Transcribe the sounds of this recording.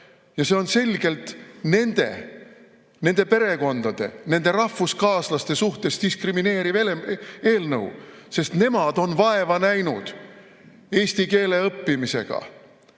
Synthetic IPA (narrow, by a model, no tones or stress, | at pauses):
jɑse̞o̞nse̞lʲɡ̥e̞lt̪ne̞nd̪̥e̞̰ | ne̞nd̪̥e̞pe̞ɾe̞ko̞nd̪̥ɑd̪̥e̞̰ne̞nd̪̥e̞ɾɑhfuskɑːslɑst̪e̞suht̪e̞st̪iskrimine̞ːɾivelee̞ːlnɤwse̞st̪ne̞mɑd̪o̞nvɑe̞vɑnæjnud̪̥ | e̞ːsʲt̪ike̞ːle̞ɤpːimise̞̰ɡ̥ɑ̰